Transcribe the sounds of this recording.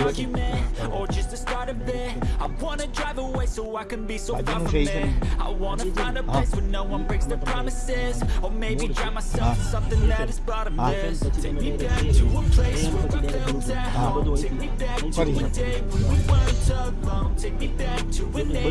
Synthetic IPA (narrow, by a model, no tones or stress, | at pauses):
ʌɡjɨmɛə˞d͡ʒʌstɨstɑɹɾʌbɪ | aɪwɑ̃nɨdɹaɪvəweɪsoʊaɪkɨ̃nbisoʊfʌ | aɪwɑ̃nəfãɪ̃ndəpʰleɪswə̃nːoʊwʌ̃nbɹɪ̃ksðɨpʰɹ̥ɑmɨsɪzə˞meɪbidɹaɪvmaɪsɛlˠfəsʌ̃mθɪ̃ŋðɨɾɨzbɑɾɨ̃mɪstʰeɪk̚mibæk̚tʰɨwʌ̃npʰl̥eɪswə | fɪzə | tʰeɪk̚mibæk̚tʰ | deɪwə̃nwiwɜ̃tʰə | otʰeɪk̚mibæk̚tʰɨwʌ̃ne